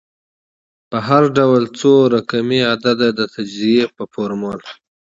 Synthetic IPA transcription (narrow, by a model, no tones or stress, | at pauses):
pəɦaɾɖawlt͡soɾakamiad̪ad̪ad̪ət̪ad͡ʒziepəfoɾmɑl